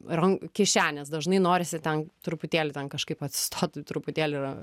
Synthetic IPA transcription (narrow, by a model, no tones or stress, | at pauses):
rɐŋkʲɪʃʲæːnʲɛsd̪ɐʒnɐɪnoːɾʲɪsʲɪt̪ʲɛnt̪ɾʊpʊt̪ʲeːlʲɪt̪ʲɛnkɐʃkɐɪpɐt̪ʲsʲɪ̥st̪ʰoːt̪t̪ɾʊpʊt̪ʲeːlʲɪɪɾɐ